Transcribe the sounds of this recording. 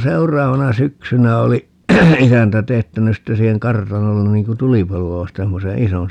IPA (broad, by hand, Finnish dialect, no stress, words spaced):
seurˑɑːʋɑnɑ syksynæ oli isæntæ teːtːænys sitːe siːheŋ kɑrtɑnolːen niŋ ku tulipɑluɑ ʋɑsten semːose ison